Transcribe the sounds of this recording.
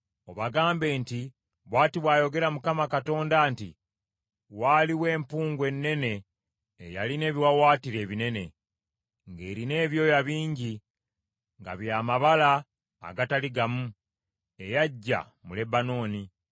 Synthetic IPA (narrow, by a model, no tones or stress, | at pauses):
o̞βaɡaːmbe̞ːnti | βwaːtiβwaːjo̞ɡe̞ɾamukamakato̞ːndaːntḭ | waːliwe̞ːmpuːŋɡwe̞nːe̞ne̞ː | ja̰line̞ːβiwawaːtiɾe̞ːβine̞ne̞ | ŋɡe̞ːɾine̞ːβjo̞ːjaβiːɲɟi | ŋɡa̰βjaːmaβala̰ː | ɡataliɡamu | e̞jaɟːa̰ | mule̞bano̞ːni